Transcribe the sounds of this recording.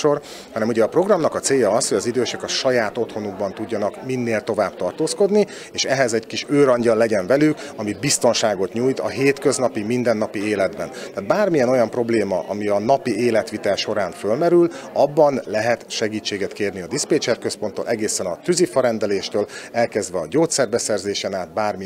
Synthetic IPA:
or | hɒnɛmuɟɛːpro̞ɡrɒmnɒkɒt̪seːjːɒɒsho̞ɟɒzid̪øːʃɛkɒʃɒjaːt̪o̞t̪ho̞nuɡbɒnt̪uɟːɒnɒkminːeːlt̪o̞vaːbt̪ɒrt̪oːsko̞d̪ni | eːʃɛɦɛzɛɟkiʃøːɾɒɲɟɒlːɛɟɛɱvɛlykɒmibist̪o̞nʃaːɡo̞t̪ɲuːjt̪ɒ̰ɦeːt̪kø̞znɒpimind̪ɛnːɒpieːlɛd̪bɛnt̪aːt̪̚baːrmijɛno̞jɒmpro̞bleːmɒ̰ʔɒ̰miɒnɒpieːlɛt̪ʋit̪ɛlʃo̞ɾaːnfølmɛɾylɒbːɒnlɛɦɛt̪ʃɛɡiːt͡ʃːeːɡɛt̪keːrniɒd̪ispeːt͡ʃɛrkø̞spo̞nt̪ːo̰ːlʔɛɡeːsɛnɒt̪yzifɒɾɛnd̪ɛleːʃt̪øːlɛlkɛzd̪vɛɒɟoːt̪sɛrbɛsɛrzeːʃɛnaːt̪̚baːrmi

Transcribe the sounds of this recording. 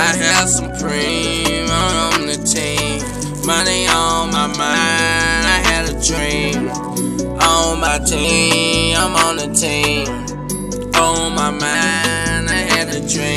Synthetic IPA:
aɪɨdsʌ̃mpʰɹ̥ĩmãən̩ðɨtʰe | mʌniəmaɪmãɪnaɪɨɾɨdɹĩn | ʔoʊmaɪtʰe | ãɪ̃mə̃n̩ðɨtʰen | ʔoʊmaɪmaɪ̃naɪɨɾɨdɹĩ

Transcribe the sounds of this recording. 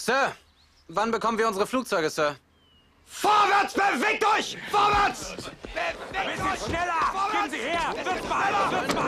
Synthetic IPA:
sœːɐ | vanbəkʰɔmənviːɐʊnzəʁəfluːk̚t͡sɔʏɡəsœɐ | foːɐvɛɐt͡sb̥əveːk̚tɔɪçfoːɐvɛɐt͡s | ɪnɛlɐɪhːɐɛlɐ

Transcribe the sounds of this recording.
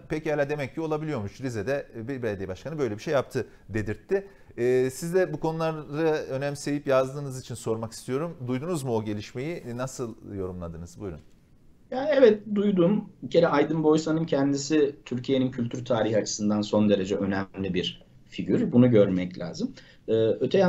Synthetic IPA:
pecihalʲaːd̪e̞mɛc̚cːio̞lˠabilʲijo̞ɾmuʃlized̪ɛbbelʲed̪ijabaʃkʰanɯbø̞jlʲebiʃejːap̚t̪ʰɯ | d̪e̞d̪iɾt̪ʰːɪː | sizd̪ɛbukʰo̞nulˠaɾdaø̞nɛmʲisejipjazd̪ɯːnɯzit͡ʃʰinso̞ɾmaki̥st̪ʰijo̞ɾumd̪ujd̪unuzmuo̞ɟe̞lʲiʃme̞jinasɯlˠjo̞ɾumlˠad̪ɯːnɯzbujɾṵn | jaːɛvɛt̪̚d̪ujd̪uːmicʰe̞ɾɛʔajd̪ɯnbo̞jsanɯncʰɛnd̪isit̪ʰyɾcʰije̞nincʰylʲt̪ʰyɾt̪ʰaːɾihat͡ʃʰɯ̥sɯnd̪anso̞nd̪e̞ɾe̞d͡ʒɛʔø̞nɛlʲibiɾ | fiɟyɾbunuɟø̞ɾmɛclʲʔa̰ːzɯm | ɛːø̞t̪ʰɛja

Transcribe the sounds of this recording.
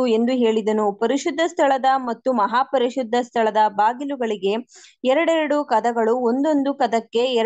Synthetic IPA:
ue̞nd̪uɦe̞ːɭid̪ɐnupɐɾiʃud̪ʱːɐst̪ʰɐɭɐd̪ɐmɐt̪ːumɐɦaːpɐɾiʃud̪ʱːɐst̪ʰɐɭɐd̪ɐbaːɡiluɡɐɭiɡe̞ɛɾɐɽɛɾɐɽukɐd̪ɐɡɐɭuond̪o̞nd̪ukɐd̪ɐkːe̞ɛ

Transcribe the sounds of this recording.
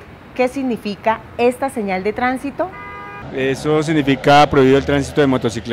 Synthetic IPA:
ke̞siɣnifika | e̞st̪aseɲald̪e̞t̪ɾansit̪o̞ | esos̬iɣnifikapɾoβiβiðelt̪ɾans̬i̥t̪oðemot̪osikl

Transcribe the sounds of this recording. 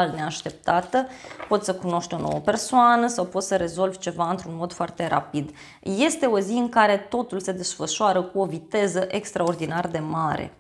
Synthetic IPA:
lne̞aʃt̪e̞p̚t̪at̪əpo̞t̪səkuno̞ʃt̪ʲo̞no̞̰wəpe̞rsoanəsawpo̞t̪səɾe̞zo̞lvʲt͡ʃe̞vaɨnt̪ɾunmo̞d̪foart̪e̞ɾa̰pid̪ | je̞st̪e̞o̞ziɨŋkaɾe̞t̪o̞t̪ulse̞d̪e̞sfəʃoaɾəkuo̞vit̪e̞zəʔe̞kst̪ɾao̞rd̪inard̪e̞maɾḛ

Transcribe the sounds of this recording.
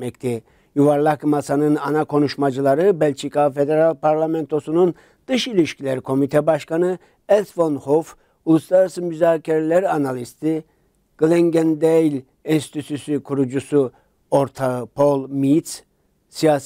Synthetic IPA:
ɛct̪ʰɛ | juvaɾlˠakmasanɯnanakʰo̞nuʃmad͡ʒɯlˠaɾɯbɛlʲt͡ʃʰikʰafe̞d̪eɾalʲpaɾlʲˠamɛnt̪ʰo̞sunun | d̪̥ɯʃilʲiʃcʰilʲæɾkʰo̞mit̪ʰɛbaʃkanɯ | ɛlt̪vonhof | ulˠuslˠaɾasɯmyzaːcʰeɾelʲɛɾanalʲist̪ʰi | ɡ̥leŋɟend̪ejlʲ | insi̥t̪ʰyt̪ʰysykʰuɾud͡ʒusu | o̞ɾt̪ʰapʰo̞lˠmit̪s | sijaːs

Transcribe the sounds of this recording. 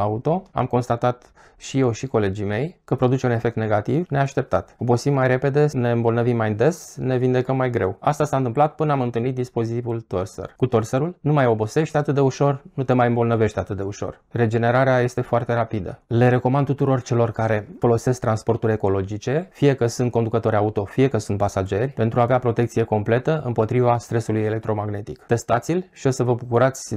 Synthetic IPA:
aut̪o̞a̰mko̞nst̪at̪at̪ | ʃije̞wʃiko̞le̞d͡ʒime̞jkəpɾo̞d̪ut͡ʃeune̞fe̞k̚t̪ne̞ɡat̪ivne̞aʃt̪e̞p̚t̪at̪o̞bo̞simːajɾe̞pe̞d̪e̞ne̞ɨmbo̞lnəvimːajd̪e̞sne̞vind̪e̞kəmːajɡɾe̞wast̪asant̪ɨmplat̪̚pɨnəamɨnt̪ɨlnit̪̚d̪ispo̞zit̪ivult̪o̞rsḛrkut̪o̞rseɾulnumajo̞bo̞se̞ʃt̪eat̪ɨt̪̚d̪e̞uʃo̞rnut̪e̞majɨmbo̞lnəve̞ʃt̪eat̪ɨt̪̚d̪e̞uʃo̞̰r | re̞d͡ʒe̞ne̞ɾaɾeaje̞st̪e̞foart̪e̞ɾapid̪ə̰le̞ɾe̞ko̞mand̪t̪ut̪uɾo̞rt͡ʃe̞lo̞rkaɾe̞fo̞lo̞se̞skt̪ɾanspo̞rt̪uɾʲe̞ko̞lo̞d͡ʒit͡ʃe̞fije̞kəsunt̪ko̞nd̪ukət̪o̞ɾʲaut̪o̞fije̞kəsunt̪pasad͡ʒe̞rʲpe̞nt̪ɾuaːveapɾo̞t̪e̞k̚t̪sije̞ko̞mple̞t̪əɨmpo̞t̪ɾivast̪ɾe̞sulujele̞k̚t̪ɾo̞maɡne̞t̪ikt̪e̞st̪at̪silʲʃio̞səvəbukuɾat̪sʲ

